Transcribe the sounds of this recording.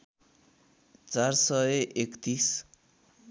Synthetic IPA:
t͡sarsʌʔekt̪is

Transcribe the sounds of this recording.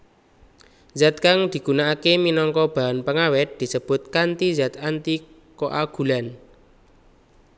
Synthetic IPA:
zat̪̚kaŋd̪̥i̤ɡ̥ṳnaakeminɔŋkɔb̥a̤ɾanpəŋawɪt̪̚d̪̥i̤səb̥ʊ̤t̪̚kant̪izat̪ant̪i | koʔaɡ̥ṳlan

